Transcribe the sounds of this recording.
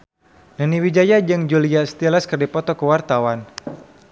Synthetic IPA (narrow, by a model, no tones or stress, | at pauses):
nəniwid͡ʒajad͡ʒɨŋd͡ʒuliast̪iləskərdipɔt̪ɔkəwart̪awan